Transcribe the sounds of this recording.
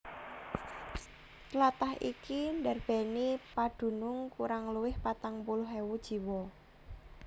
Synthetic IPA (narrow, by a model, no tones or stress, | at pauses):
t̪lat̪aɦikindɛrb̥ɛ̤nipad̪̥ṳnʊŋkuɾaŋluwɪhpat̪aŋpulʊɦɛwud̥ʒ̥i̤wɔ